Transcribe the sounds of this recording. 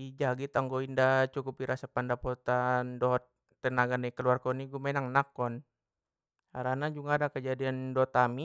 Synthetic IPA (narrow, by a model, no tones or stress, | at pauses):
id͡ʒaɡit̪aŋɡoindat͡ʃukupiɾasapandapɔt̪andɔɦɔt̪ː | ənaɡanɛkəluarkɔniɡumenaŋnakɔn | aɾanad͡ʒuŋadakəd͡ʒadiandɔt̪ami